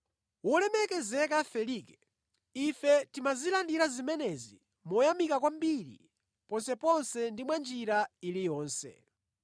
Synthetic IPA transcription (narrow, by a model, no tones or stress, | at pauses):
wulɛmɛkɛzɛkafɛlikɛ | ifɛtimazilandiɾazimɛnɛzi | mɔjamikakwambiɾḭ | pɔnsɛpɔnsɛndimwand͡ʒiɾailijɔːnsɛ̰